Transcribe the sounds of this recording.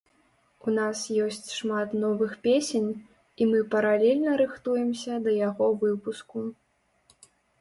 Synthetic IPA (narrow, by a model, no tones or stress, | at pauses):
unasjɔsʲt͡sʲʂmat̪nɔvɨxpʲesʲenʲ | imɨpɐɾalʲɛlʲnɐɾɨxt̪ujɛmsʲɐd̪ɐjaɣɔvɨpusku